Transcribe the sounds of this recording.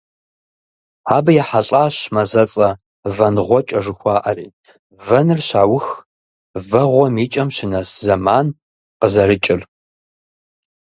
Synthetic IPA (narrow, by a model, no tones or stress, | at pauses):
aːbɨjɛħaɬʼaːɕmɐzɐt͡sʼɐ | vɐnʁʷɔt͡ʃʼɐʐɨxʷɑːʔɐɾiː | vɐnɨrɕaːwʊx | vɐʁʷɔmiːt͡ʃʼɐmɕɪnɐszɐmaːn | qəzɐɾɨt͡ʃʼɪr